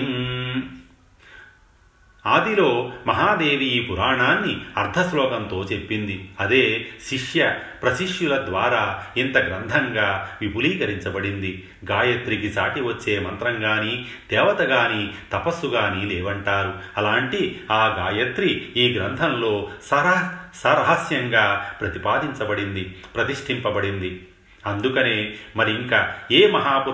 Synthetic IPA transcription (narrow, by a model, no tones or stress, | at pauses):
aːd̪ilo̞ːmɐɦaːd̪e̞ːʋijpuɾaːɳaːnːiɐɾd̪ʰʱɐslɔːɡɐnt̪o̞ːt͡ʃe̞pːind̪iɐd̪eːʃiʂjɐpɾɐsiʂjulɐd̪ʋaːɾaːint̪ɐɡɾɐnd̪ʱɐŋɡaːʋibuliːkɐɾiɲt͡ʃɐbɐɽind̪i | ɡaːjɐt̪ɾikit͡ʃaːʈiʋɐt͡ʃːe̞ːmɐnt̪ɾɐŋɡaːniː | d̪̥ɛːʋɐt̪ɐɡaːniːt̪ɐpɐsuɡaːniːlɛːʋɐɳʈaːɾuɐlaːɳʈiaːɡaːjɐt̪ɾiiːɡɾɐnd̪ʱɐnlo̞ːsɐɾsɐɾɐɦɐsjɐŋɡaːpɾɐt̪ipaːd̪iɲt͡ʃɐbɐɽind̪ipɾɐt̪iʂʈʰimpɐbɐɽind̪i | ɐnd̪ukɐneːmɐɾiiŋkaeːmɐɦaːp